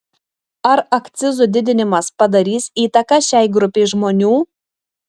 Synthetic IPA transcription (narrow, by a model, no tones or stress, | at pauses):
ɐɾɐkt̪sʲɪzʊd̪ʲɪd̪ʲɪnʲɪmɐspɐd̪ɐɾʲiːsiːt̪ɐkɐʃʲæɪɡɾʊpʲɛɪʒmoːnʲuː